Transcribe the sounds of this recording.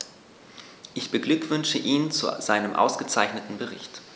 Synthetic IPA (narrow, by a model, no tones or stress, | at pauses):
ʔɪçb̥əɡlʏkv̥ʏnʃəʔiːnt͡sṵzaɪnəmʔa̰ʊsɡ̥ət͡saɪçnətn̩bəʁɪ̰çt